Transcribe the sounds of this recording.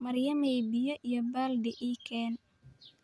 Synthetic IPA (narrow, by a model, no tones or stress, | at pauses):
mɐrjɐmɛjbɪjɔʔijɔbaːld̪ɛʔiːkʰɛːn